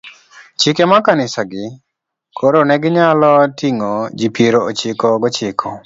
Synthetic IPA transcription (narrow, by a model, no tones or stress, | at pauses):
t͡ʃɪkemakanɪsaɡɪ | kʰoɾonɛɡɪɲalɔtiŋod͡ʒipeɾoot͡ʃɪkɔɡɔt͡ʃɪkʰɔ